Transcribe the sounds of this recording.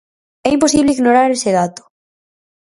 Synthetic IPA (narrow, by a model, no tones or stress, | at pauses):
ɛimpos̬iβleiɣnoɾaɾeseðat̪ʊ̥